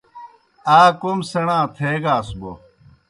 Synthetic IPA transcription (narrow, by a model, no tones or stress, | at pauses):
aːkumsɐɽãːt̪ʰeːɡaːsbo̰